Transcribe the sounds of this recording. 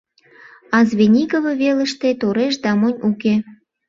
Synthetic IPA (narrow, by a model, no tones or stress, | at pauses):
ɑzβenʲikovɤ̆βelə̆ʃt̪et̪oɾeʃd̪ɑmonʲuke